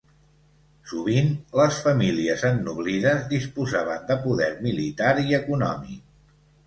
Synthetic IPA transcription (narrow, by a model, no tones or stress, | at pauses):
suβ̞inləsfəmiliəzənːuβliðəzðispuzaβənd̪əpuðɛɾmilit̪aɾiəkunɔ̰mḭk